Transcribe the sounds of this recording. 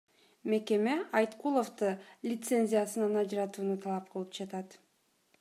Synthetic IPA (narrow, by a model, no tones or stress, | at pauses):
me̞ke̞me̞ɑjt̪qulˠo̞ft̪ɯlʲɪt̪se̞nʲzʲijasɯnɑnɑd͡ʒɾɑt̪uːnut̪ʰɑlˠɑp̚qʰɯlˠɯp̚d͡ʒɑt̪ɑt̪